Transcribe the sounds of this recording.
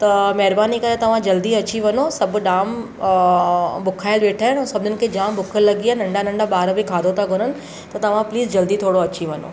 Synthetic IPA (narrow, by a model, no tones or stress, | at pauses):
t̪ɐmɛɦɾbaːnikɐɾẽt̪ɐʋ̤ãd͡ʑɐld̪iɐt͡ɕiʋɐnosɐbʱʊɗaːm | bʊkʰaːɪlʋeːʈʰaːɪnɛ̃ːsɐbʱnɪnɪ̆kʰed͡ʑãːmbʊkʰəllːɐɡianɐ̃ɳɖanɐ̃ɳɖaɓaːɾbɪkʰaːd̪ot̪aɡʱʊɾənɪ̆ | t̪ɐt̪ɐʋ̤ãpliːzd͡ʑɐld̪it̪ʰoːɽoɐt͡ɕiʋɐno̰ː